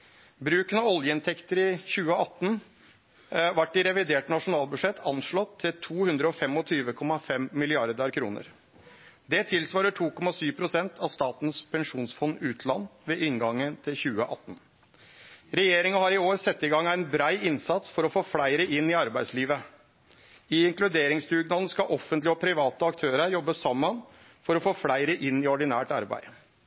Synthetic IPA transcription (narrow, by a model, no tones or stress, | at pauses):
bɾʉːkənɑɔljəɪnt̪ʰɛkt̪əɾɪçʉːəɑt̪ːn | ʋɑʈːɪɾɛʋɪd̪eːʈnɑʂʊnɑːlˠbʉʂɛt̪ʰɑnʂɭɔt̪ʰːɪlt̪ʰuːhʉnd̪ɾəɔfɛmɔt̪ʰyːʋəkʰɔmɑfɛmmɪlɪɑɾd̪ɑɾkʰɾṵːnə̰ɾ | d̪ɛt̪ʰɪlsʋɑːɾəʈʰuːkʰɔmːɑsyːʋpʰɾʊsɛnt̪ʰɑʋst̪ɑːt̪n̩spʰɛŋʂuːnsfɔnːʉːt̪ʰlɑnːʋeːʔɪŋɡɑŋːənt̪ʰɪlçʉːəʔɑt̪ːn | ɾɛjeːɾɪŋɑhɑɾɪoːɾsɛt̪ːɪɡɑŋæɪnbɾæɪɪnsɑt̪sfɔɾɔfoːflæɪɾəʔɪnːɪɑɾbæɪsliːʋə | ɪɪŋklʉd̪eːɾɪŋsd̪ʉːɡnɑn̩skɑʔɔfːənt̪lɪəɔpʰɾɪʋɑːt̪əɑkt̪ʰøːɾəɾjɔbːəsɑmːən | fɔɾɔfoːflæɪɾəʔɪnːɪɔɖɪnæːʈɑ̰ɾbæ̰ɪ